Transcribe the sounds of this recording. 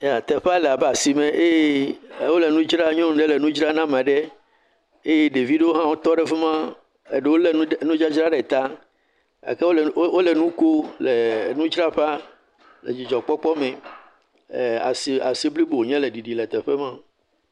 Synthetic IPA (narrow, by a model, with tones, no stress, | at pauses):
a˨t̪ɛ˨ɸe˦a˦lɛ˨a˨bɛ˦˨a˨si˨mɛ̃˨ʔe˦je˦wo˦le˨nũ˦d͡ʒɾa˦ɲɔ̃˦n˦ɖe˦le˨nũ˦d͡ʒɾa˦nã˦m˨ã˨ɖɛ˦ | e˦je˦ɖe˨vi˦ɖe˦o˦ɦã˦wo˦t̪ɔ˦ɖɛ˦fe˦mã˦ | e˨ɖe˦wo˦le˨˦nũ˦d͡ʒa˦d͡ʒɾa˦ɖɛ˨t̪a˦ | a̰˨ke˦o˦˨wo˦le˨nũ˦ko˦le˨nũ˦d͡ʒɾa˦ɸa˦ | lḛ˨d͡ʑi˨d͡ʒɔ˨k͡pɔ˦k͡pɔ˦mɛ̃˨ | a̰˨si˨a˨se˦bli˦bo˨wo˨ɲɛ̃˦le˨ɖi˨ɖi˨lɛ˨t̪ɛ˨ɸɛ˦mã˦